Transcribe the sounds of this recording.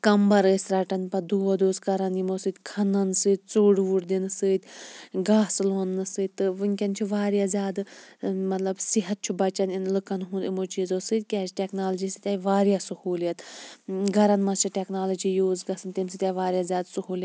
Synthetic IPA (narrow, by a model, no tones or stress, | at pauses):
kɐmbɐɾəːsʲɾɐʈɐnpɐd̪uʋod̪uːskɐɾɐnjimosɨt̪ʲkʰɐnɐnsɨːt̪̚ʲt͡suːɽʋuɽd̪inɨsɨːt̪ʲɡaːsloːnːɨsɨːt̪̚ʲt̪ːɨʋɨŋʲkʲɐnt͡ʃʰuʋaːɾjazʲaːd̪mɐt̪lɐbsiɦɐt̪̚t͡ʃʰubɐt͡ʃɐninlɨkɐnɦũnd̪imot͡ʃiːzoːsɨt̪̚ʲkʲaːt͡ʃʰʈʲeknaːlɐd͡ʒiːsɨt̪ʲjaːjiʋaːɾjasuhuːljɐt̪ɡʱɐɾɐnmɐst͡ʃʰiʈʲeknaːlɐd͡ʒijuːzɡɐsɨnt̪imsit̪ʲjaːʋaːɾjazʲaːd̪suhuːlj̪